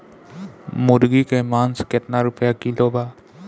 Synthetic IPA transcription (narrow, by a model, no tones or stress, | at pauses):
mʊɾɡikemaːnsket̪naɾʊpjakilobaː